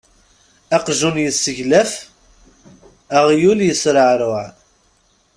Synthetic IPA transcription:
æqʒunjəsːəʝlæf | æʁjuljəsɾəʕɾʊʕ

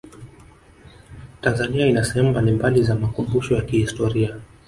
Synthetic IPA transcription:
tanzaniainasɛhɛmumbalimbalizamakumbuʃɔjakihistɔɾia

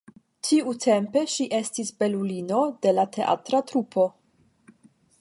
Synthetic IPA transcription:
tiutʰe̞mpe̞ʃiʔe̞stisbe̞lulino̞de̞latʰe̞ʔa̰tɾatɾupʰo̞

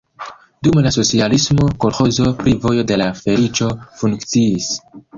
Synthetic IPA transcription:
dumlaso̞t͡sialismo̞ko̞ɾxo̞zo̞pɾivo̞jo̞de̞lafe̞lit͡ʃo̞fuŋkt͡siːs

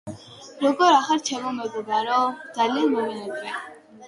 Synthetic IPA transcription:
ɾɔɡɔɾaχaɾt͡ʃʰɛmɔmɛɡɔbaɾɔd̪zalianmɛvɛnɛd̪vɛ

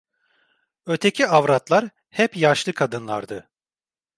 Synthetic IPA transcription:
øt̪ʰecʰiavɾat̪lˠaɾ | hɛpjaʃlˠɯkʰad̪ɯnlˠa̰ɾd̪ɯ

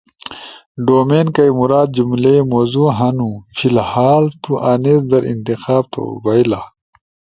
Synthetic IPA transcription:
ɖoːmeːnkɐjmuɾaːd̪̚d͡ʑumlemoːzuɦɐnufʰilhaːlt̪uʔaneːzd̪ɐɾḭnt̪ixaːb̚t̪ʰo̰bɐjla

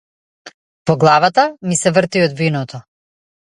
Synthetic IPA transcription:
pɔɡlˠavat̪amisɛvr̩t̪iɔd̪vinɔt̪ɔ

